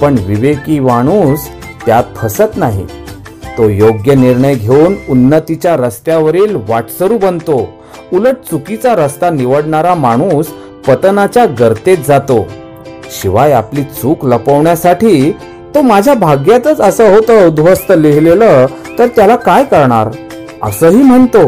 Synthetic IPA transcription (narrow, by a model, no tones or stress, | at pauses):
pəɳʋiʋekiːmaɽ̃uːs | t̪jat̪̚pʰəsət̪naɦḭ | t̪ojoɡjəniɾɳəjɡʱeununːət̪it͡ɕjaɾəst̪jaʋəɾiːlʋaʈsəɾuːbənt̪o | uləʈ̚t͡sukit͡saɾəst̪aniʋəɽɳaɾamaɽ̃us | pət̪nat͡ɕjaɡəɾt̪et̪̚d͡zat̪o | ɕiʋajapliːt͡suːkləpəʋɳjasaʈʰiː | t̪omad͡ʑʱjabʱaɡjat̪ət͡səsəɦot̪əud̪ʱʋəst̪əliɦlelə | t̪əɾt̪jalakajkəɾɳaɾ | ə̰səːɦiːm̤əɳt̪o